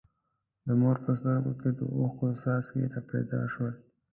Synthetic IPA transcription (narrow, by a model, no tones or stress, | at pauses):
d̪əmoɾpəst̪əɾɡoked̪ə̰oxkosɑskḛɾɑpɛ̰jd̪ɑ̰ʃwəl